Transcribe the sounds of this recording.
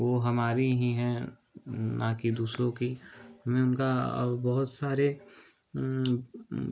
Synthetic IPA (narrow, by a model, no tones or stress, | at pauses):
ʋoːɦɐmaːɾiɦĩɦɛ̃ | nakid̪uːsɾõkihɐmẽʊnka̰bɐɦʊt̪saːɾe